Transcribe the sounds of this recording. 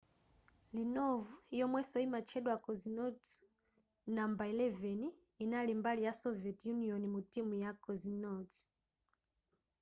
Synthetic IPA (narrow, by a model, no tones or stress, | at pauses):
linɔvujɔmwɛsɔimat͡ʃʰɛɗwakɔzinɔt | nambailɛvɛniː | nalimbalijasɔviɛtjuniɔnimutimujakɔzinɔt